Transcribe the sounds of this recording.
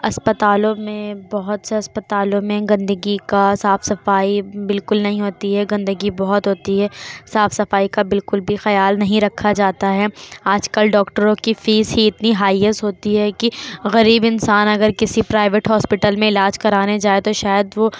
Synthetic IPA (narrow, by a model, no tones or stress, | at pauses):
ɐspɐt̪aːlõmẽbɐɦʊt̪seɐspət̪aːlõmẽɡɐ̃nd̪əɡikasaːfsɐfaːibɪlkʊlnɐɦĩɦoːt̪iɦɛɡɐ̃nd̪əɡibɐɦʊt̪ɦoːt̪iɦɛːsaːfsɐfaːikabɪlkʊlbʱixɐjaːlnɐɦĩɾɐkʰːad͡ʒaːt̪aɦɛaːd͡ʒkɐlɖɔːkʈəɾõkifiːzɦiɪt̪niɦaːiəsɦoːt̪iɦɛkiɣɐɾiːbɪnsaːnɐɡəɾkɪsipɾaːɪʋeʈɦɔːspɪʈəlmẽɪlaːd͡ʒkɐɾaːned͡ʒaːet̪oʃaːjəd̪ʋo